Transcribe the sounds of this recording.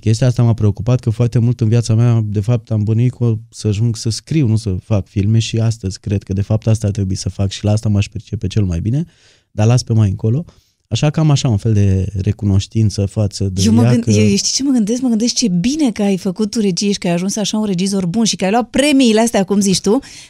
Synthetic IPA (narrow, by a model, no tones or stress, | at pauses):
kʲe̞s̬t̪iaast̪amapɾe̞okupat̪̚kəfoart̪e̞mult̪ɨnvjat̪samead̪e̞fap̚t̪ambɨnuit̪̚kosəaʒuŋɡsəskɾiwnusəfakfilme̞ʃiast̪əzʲkɾe̞d̪̚kəd̪e̞fap̚t̪ast̪aːrt̪ɾe̞buisəfakʃilaast̪amaʃpert͡ʃe̞pe̞t͡ʃe̞lmajbine̞ | d̪̥alaspe̞majɨŋko̞lo̞ | aʃakəamaʃaunfe̞ld̪e̞ɾʔe̞kuno̞ʃt̪int̪səfat̪səd̪ejeməaɨjejeʃt̪i̥t͡ʃe̞məɡɨnd̪e̞skməɡɨnd̪e̞st͡ʃe̞bine̞kəajfəkut̪ːuɾe̞t͡ʃijeʃi̥kəajaʒunsaʃaunre̞d͡ʒizo̞rbunʃikəajloat̪̚pɾe̞miːleast̪eakumzit͡ʃt̪u